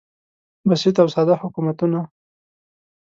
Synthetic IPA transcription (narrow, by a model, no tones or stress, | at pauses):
basit̪̬awsɑd̪ahʊkumat̪una